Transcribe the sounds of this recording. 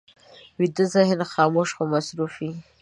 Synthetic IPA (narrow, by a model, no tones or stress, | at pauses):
widɨzaɦinχɑːmuʂχamasɾufi